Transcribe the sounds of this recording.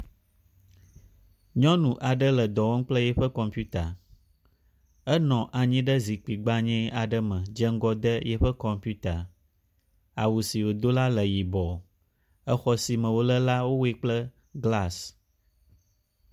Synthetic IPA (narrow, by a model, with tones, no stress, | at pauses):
ɲɔ̃˦nũ˨ʔa˨ɖə˦lə˨d̪ɔ˨wɔ˦ŋ̩˦k͡plə˦jɛ˦ɸə˦kɔ˨mpju˦t̪a˨ | ə˦nɔ̃˨ʔa˨ɲĩ˦ɖə˦zi˨k͡pi˨ɡ͡ba˦ɲɛ̃˦a˨ɖə˦mə̃˨d͡ʒə˦ŋ̩˦ɡɔ˦d̪ə˦jɛ˦ɸə˦kɔ˨mpu˦t̪a˨ | a˨wu˨si˨wo˨d̪o˦la˦lə˨ji˨bɔ˨ | ə˦xɔ˦si˨mə̃˨wo˦lə˦la˦wo˦we˦k͡plə˦ | ɡla˦˨s